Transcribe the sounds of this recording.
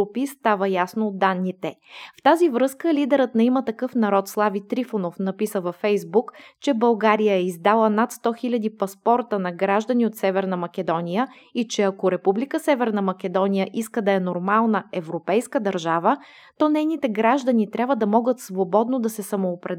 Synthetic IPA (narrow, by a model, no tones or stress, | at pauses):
upist̪avəjasnoːd̪ːanːit̪ɛft̪azivɾɤskəlʲid̪ɛɾət̪nɐimət̪ɐkɤfnɐɾɔt̪slˠavit̪ɾifonofnɐpisəvɐfɛjzbukt͡ʃɛbɐlˠɡaɾijəɛizd̪alˠənat̪st̪ɔxilʲɐd̪ipɐspɔɾt̪ənɐɡɾaʒd̪əniot̪sɛvɛɾnəmɐkɛd̪ɔnijə | it͡ʃɛɐkoɾɛpublʲikəsɛvɛɾnəmɐkʲɛd̪ɔnijəʔiskəd̪ɐɛnoɾmalˠnəɛvɾopɛjskəd̪ɐɾʒavə | t̪ɔnɛjnit̪ɛɡɾaʒd̪ɐnit̪ɾʲabvəd̪ɐmɔɡət̪svobɔd̪nod̪ɐsɛsɐmoːpɾɛ